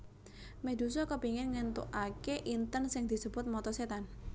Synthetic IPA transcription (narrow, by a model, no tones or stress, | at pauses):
med̪usɔkəpiŋɪnŋənt̪uʔakeʔint̪ənsɪŋd̪̥i̤səbʊt̪̚mɔt̪ɔset̪an